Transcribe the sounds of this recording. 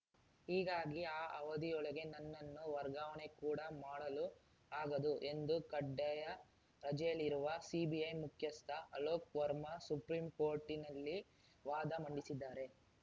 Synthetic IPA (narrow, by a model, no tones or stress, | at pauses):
hiːɡaːɡiaːʔɐʋɐd̪ijɔɭɐɡe̞nɐnːɐnːuʋɐɾɡaːʋɐɳe̞kuːɽɐmaːɽɐlu | aːɡɐd̪uʔe̞nd̪ukɐɖːɛjɐ | ɾɐd͡ʒɐjɐliɾuʋɐsibiɐjmukʰjɐst̪ʰɐʔɐloːkʋɐɾmɐsupɾiːmko̞ːɾʈːinɐlːi | ʋaːd̪ɐmɐɳɖisid̪ːaːɾe̞